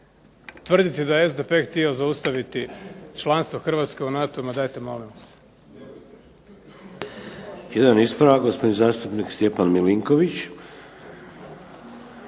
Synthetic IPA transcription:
t̪ʋr̩d̪it̪id̪ajeezd̪e̞pe̞xt̪iozaust̪aʋit̪it͡ʃlˠanst̪ʋo̞xr̩ʋat̪ske̞unat̪omad̪ajt̪e̞mo̞̰limas | jed̪anispɾaʋaɡo̞spod̪nizaːst̪upnikst̪jepanmiliŋkoʋit͡ɕ

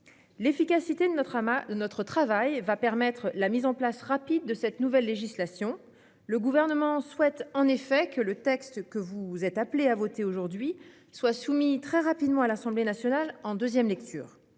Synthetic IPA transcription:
lefikasit̪ed̪ənɔt̪χət̪χavajvapɛʁmɛt̪χlamizɑ̃plasʁapid̪ːəsɛt̪nuvɛlːeʒislasjɔ̃ | ləɡuvɛʁnəmɑ̃swɛt̪ɑ̃nefɛkələt̪ɛkst̪kəvuzɛt̪apleavot̪eoʒuʁd̪ɥi | swasumit̪χɛʁapid̪mɑ̃alasɑ̃blenasjɔnalɑ̃d̪øzjɛmlɛk̚t̪ʰy̰ːʁ

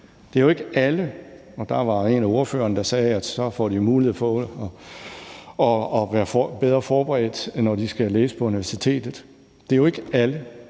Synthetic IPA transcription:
d̥e̝æɐjoe̝ɡ̥əælə | ɒ̽d̥ɑ̈ʋɑ̈e̝næo̝ɐfø̰ːɐnəd̥ɑ̈sɛːæd̥sɒ̽fɒ̰d̥imuːlie̝ð̩̰ˠpɒ̽ | ɒɒʋæːɐb̥eð̞ˠʁɐfɒːb̥eʁɛ̰ːd̥nːɒd̥isɡ̥æleːsə̥pʰɒ̽uniʋæɐsit͡sʰe̝̰ːd̥ð̩ˠ | d̥e̝æjoe̝ɡ̥əælə

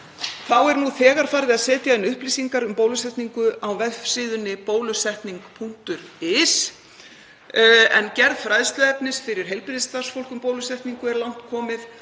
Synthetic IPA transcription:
θawɛɾnuθɛːɣaɾ̥faːɾðɪaðsɛːt̪jaɛnːʏhplisiŋkaɾʏmpoːwlʏsɛht̪niŋkʏʔawvɛfsɪːðʏnɪpoːwlʏsɛht̪niŋkpʰuŋ̥t̪ʏɾɪs | ɛncɛɾðfɾajðst̪ʏɛpnɪsfɪɾɪɾ̥ɦejlpɪɾðɪst̪aɾ̥sfowl̥kʏmpowlʏsɛht̪niŋkʏɛɾlan̥t̪kʰɔːmɪð

